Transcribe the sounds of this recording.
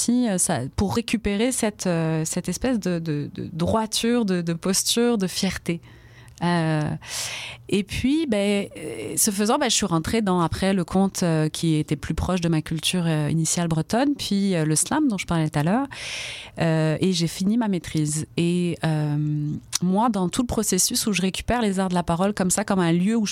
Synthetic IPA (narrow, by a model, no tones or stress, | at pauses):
iøsapuʁːekʲypeʁesɛt̪øsɛt̪ɛspɛsd̪əd̪əd̪ə̰d̪ʁwat̪yʁd̪əd̪əpɔst̪yʁd̪əfjɛʁt̪e | ø | epɥibɛ | səfəzɑ̃baʒəsɥiʁɑ̃t̪χed̪ɑ̃apχɛləkʰɔ̃t̪økʲʰiet̪ɛplypχɔʃd̪əmakʲylt̪ʰyʁøḭnisjalbʁət̪ɔnpʰɥiøləslamd̪ɔ̃ʒə̥paʁlɛt̪ət̪alœːʁ | øeʒefinimamet̪χizeømmwad̪ɑ̃t̪uləpχɔsesysuʒəʁekʲy̥pɛʁlezaʁd̪əlapaʁɔlkɔmsakɔmɛ̃ljøuʒ